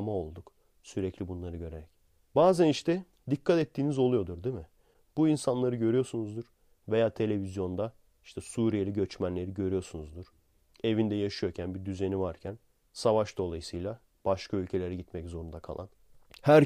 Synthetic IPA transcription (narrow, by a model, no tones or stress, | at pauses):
mao̞lˠd̪uk | syɾɛclʲibunlˠaɾɯɟø̞ɾeɾɛc | baːzæniʃt̪ʰɛ | d̪ikʰːat̪ɛt̪ʰːiːnizo̞lˠujo̞d̪uɾd̪imɪ | b̥uinsanlˠaɾɯɟø̞ɾyjo̞sunuzd̪uɾ̥ | ve̞jaːt̪ʰe̞lʲe̞vizjo̞nd̪a | iʃt̪ʰɛsuːɾijelʲiɟø̞t͡ʃmænlʲe̞ɾiɟø̞ɾyjo̞sunuzd̪uɾ̥ | e̞vind̪ɛjaʃɯjo̞ɾcʰænbiɾd̪yze̞nivaɾcʰæn | savaʃd̪o̞lˠajɯsɯjlʲˠa | b̥aʃkʰaylʲcʰe̞lʲe̞ɾɛɟit̪mɛczo̞ɾund̪akʰa̰lˠa̰n | hæɾ